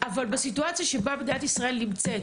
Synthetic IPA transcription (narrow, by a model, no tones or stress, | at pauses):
ʔavalbesituat͡sijaʃe̞babed̪iat̪isʁae̞lːimt͡se̞t